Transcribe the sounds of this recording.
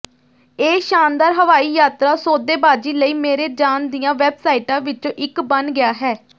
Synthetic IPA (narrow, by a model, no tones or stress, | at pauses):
eːʃaːnd̪aːɾɦəʋaːiːjaːt̪ɾaːsoːd̪eːbaːd͡ʒiːləiːmeːɾeːd͡ʒaːnd̪iːjãːʋɛːbsaːiːʈãːʋɪt͡ʃõːʔɪkbənɡɪaːɦɛː